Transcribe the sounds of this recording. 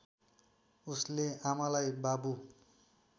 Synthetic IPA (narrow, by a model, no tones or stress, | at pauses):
usleamalajbabu